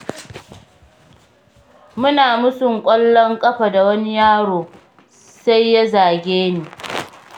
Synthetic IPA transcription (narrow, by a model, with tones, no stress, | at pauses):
mʊ˦naː˨mʊ˦sʊ˨ŋkʷʼɔ˦lːɔ˦ŋkʼɐ˦ɸa˨da˨wɐ˦ni˦jaː˦ɽoː˨ | sa˦jːa˦zaː˨ɡʲeː˦niː˨